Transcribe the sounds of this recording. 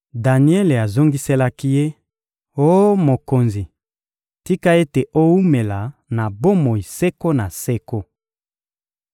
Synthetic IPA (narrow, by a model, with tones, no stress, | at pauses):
da˨ni˦ɛ˦le˨a˨zo˦ŋɡi˦se˦la˦ki˦je˦ | o˦mo˨ko˨nzi˨ | ti˦ka˦e˦te˨ʔo˦u˦me˨la˨na˨bo˦mo˨i˨sɛ˦ko˦na˨sɛ˦ko˦